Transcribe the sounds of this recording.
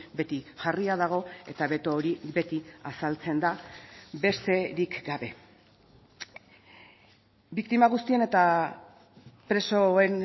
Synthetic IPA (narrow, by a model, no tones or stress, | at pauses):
be̞t̪iʝariaðaɣ̞o̞e̞̰t̪aβe̞t̪oːɾiβe̞t̪iasalt͡se̞nd̪aβe̞ɾse̞ɾikɡaβe̞ | bikt̪imaɣ̞ust̪ie̞ne̞t̪a | pɾe̞so̞e̞n